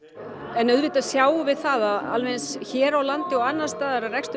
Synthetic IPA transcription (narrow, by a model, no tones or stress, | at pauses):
ɛnœðvɪːt̪asjaːwvɪðθaðaða̰lvɛnsçɛːɾawlant̪ɪɔwanːast̪aːðaɾarɛkst̪ʏ